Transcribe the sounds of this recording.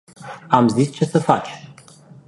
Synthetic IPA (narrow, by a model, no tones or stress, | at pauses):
amzist͡ʃe̞səfat͡ʃe